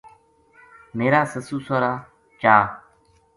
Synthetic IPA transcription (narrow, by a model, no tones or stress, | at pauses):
meːɾaːsəsuːsoːɾaː | t͡ʃaː